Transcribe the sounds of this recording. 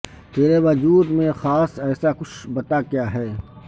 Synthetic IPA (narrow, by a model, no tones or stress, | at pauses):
t̪eːɾeʋɐd͡ʒuːd̪mẽxaːsɛːsakʊt͡ʃʰbɐt̪akjaːɦɛː